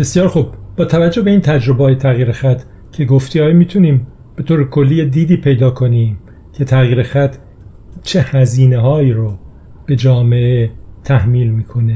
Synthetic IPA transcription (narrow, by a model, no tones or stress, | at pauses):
b̥e̞sjɒːɾxub̚b̥ɒːt̪ʰævæd͡ʒːobe̞iːnt̪ʰæd͡ʒɾobeɒːjet̪ʰæɣiːɾexæt̪ʰ | cʰe̞ɡoft̪iːɒːjmiːt̪ʰuniːm | b̥et̪ʰoːɾekʰo̞lːiːjed̪iːd̪iːpʰe̞jd̪ɒːkʰo̞niːm | cʰe̞t̪ʰæɣiːɾexæt̪ʰ | t͡ʃʰe̞hæziːneɦɒːiːɾo | b̥e̞d͡ʒɒːmeʔet̪ʰæhmiːlmiːkʰo̞ne